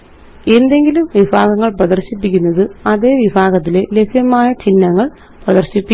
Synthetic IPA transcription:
e̞nd̪e̞ŋɡilumʋibʱaːɣɐŋːɐɭprɐd̪ɐrɕipːikʲːunːɐðɨɐðe̞ːʋibʱaːɣɐt̪̬ːile̞le̞pʰjɐmaːjɐt͡ɕinːɐŋːɐɭ | prɐðɐrɕipːi

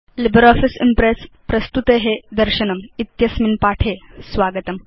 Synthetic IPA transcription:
libəɾɔfisḭmpɾes | pɾɐst̪ut̪eɦed̪əɾɕənəmit̪jɐsminpaʈʰesʋaɡət̪əm

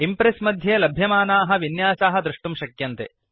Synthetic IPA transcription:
impɾesmɐd̪ʱjeːlɐbʱjɐmaːnaːɦɐ̆ʋinjaːsaːɦɐd̪ɾuʂʈumʃɐkjɐnt̪ḛ

